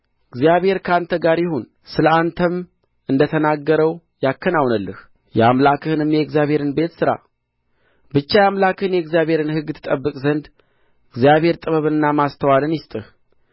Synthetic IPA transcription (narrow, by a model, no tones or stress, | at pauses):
ɪɡzijaβhe̞ɾkʰant̪ʰəɡaɾjɪhon | sɨləant̪ʰəm | ɨnd̪ət̪ʰənaɡːəɾəw | jakːənawnəlːəh | jɛamlakʰɨhɨnɨmjɛɡzjaβhe̞ɾɨnbe̞t̪sɨɾa̰ | bɨt͡ʃːajamlakʰɨhɨnjɛɡzijaβhe̞ɾɨnhɨɡːɨt̪ʰːɨ̥t̪ʼəbːɨkʼzənd̪ | ɪɡzijaβhe̞ɾt̪ʼɨβəβɨnːamast̪ʰəwalɨnjɪst̪ʼɨh